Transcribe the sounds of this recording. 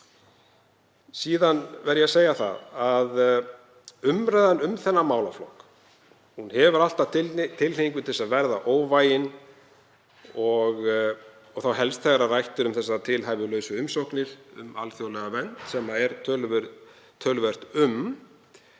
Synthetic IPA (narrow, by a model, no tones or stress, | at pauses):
siːðanvɛɾjɛaseːjaθa̰ðað | ʏmɾajðanʏmθɛnːamaːwlaflɔ̰k | hunhɛvʏɾal̥t̪at̪t̪ʰɪlliŋkʏt̪ʰɛsaðvɛɾðaʔoːwvajɪn | ɔɣ | ɔɣθawɦɛlst̪θʰɛɣaɾarajht̪ʏɾʏmθɛsːat̪ʰɪlɦajvʏlœːɥsʏʏmsowknɪɾ̥ʏ̰ma̰lθjowlɛɣavɛn̥t̪sɛmaɛɾt̪ʰœlvʏɾ | t̪ʰœlvɛr̥t̪ʏm